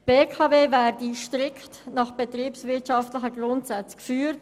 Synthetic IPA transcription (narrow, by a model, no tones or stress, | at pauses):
b̥eːkʰɑːveːvɛːdiʃtɾɪkttnɑχb̥etriːpsvɪɐtʃɑftlɪçəɡrʊntsat͡skfyːt